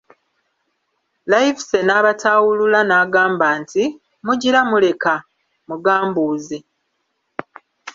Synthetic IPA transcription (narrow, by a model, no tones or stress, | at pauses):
lajifse̞naːβataːwululanaːɡaːmbaːnti | muɟiɾamule̞ka | muɡaːmbuːzi